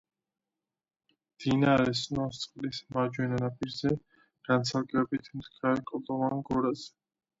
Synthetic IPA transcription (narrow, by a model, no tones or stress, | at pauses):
md̪̥inaɾɛsnɔst̪sʼqʼlismad͡ʒwɛnanapʼiɾzɛ | ɡ̥ansʰalɡʼɛbit̪ʰmd̪ɡaɾkʼɔd̪ɔvanɡɔɾazɛ